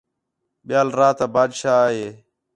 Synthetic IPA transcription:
ɓɪjaːlɾaːt̪aːbaːd̪ʃaːaːɦeː

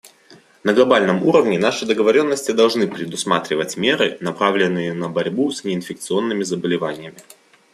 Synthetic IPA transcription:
nəɡlˠɐbalʲnəmuɾəvnʲɪnaʂɨd̪əɡəvɐɾʲo̞nːəsʲtʲɪd̪ɐlˠʐnɨpɾʲɪd̪ʊsmat̪ɾʲɪvətʲmʲeɾɨ̰nɐpɾavlʲɪnːɨjənəbɐɾʲbusʲnʲɪɪnfʲɪk̚t̪sɨo̞nːɨmʲɪzəbəlʲɪvanʲɪjəmʲɪ

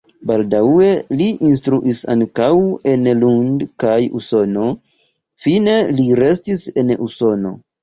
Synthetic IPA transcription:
baldawe̞liʔins̬tɾuʔisa̰ŋkawe̞nlundkajṵso̞no̞ | fine̞liɾe̞stise̞nuso̞no̞̰

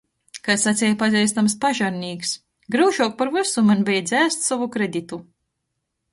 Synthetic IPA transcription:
kasːat̪sʲɛjpazʲɛjst̪amspaʒaɾnʲiːks | ɡɾɨːʒuɔk̚paɾvɨsumanbʲɛjd̪zʲæːst̪savukɾed̪it̪u

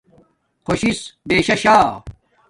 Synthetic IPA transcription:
kʰoɕisbeːɕɐɕaː

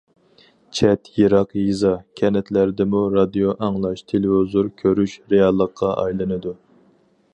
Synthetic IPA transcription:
t͡ʃʰɛt̪jiɾɑqjizɑkʲʰɛnɛt̪ʰlæɾd̪ɪmuɾɑd̪ijoʔɑŋlˠɑʃt̪ʰelwozuɾkʲʰøɾyʃɾejɑlˠːəqʰːɑʔɑ̰jlˠɨnɨd̪u

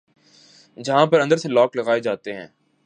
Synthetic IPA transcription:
d͡ʒɐɦãpɐɾɐ̃nd̪əɾselɔːklɐɣaːed͡ʒaːt̪eɦɛ̃ː

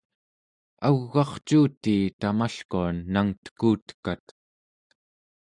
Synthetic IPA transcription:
aɣːɑχt͡ʃuːt̪iːt̪amaɬkuanːaŋt̪ə̥kuːt̪ə̥kat̪

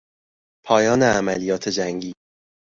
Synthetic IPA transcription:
pʰɒːjɒːneæmælijɒːt̪ʰed͡ʒæŋɡiː

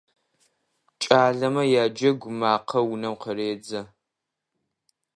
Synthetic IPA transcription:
t͡ʃʼaːɮɐmɐjaːd͡ʒɐɡʷʊmaːqʰɐwʊnɐmqəɾeːd͡zɐ

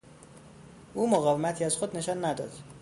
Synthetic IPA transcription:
ʔuːmoɣɒːve̞mæt̪ʰiːæzxod̪ne̞ʃɒːnːæd̪ɒ̰ːd̪̥

